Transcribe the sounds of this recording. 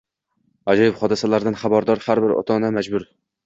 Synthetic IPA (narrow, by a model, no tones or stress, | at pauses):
ad͡ʒɒjɪpχɒd̪ɨsɛlaɾd̪ɪnχabaɾd̪ɒɾhaɾbɪɾɒ̰t̪ʰɒnamæd͡ʒbʊɾ